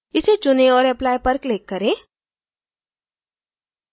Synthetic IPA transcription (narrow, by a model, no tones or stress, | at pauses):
ɪset͡ʃʊnẽɔːɾɛplaːjpɐɾklɪkːɐɾẽː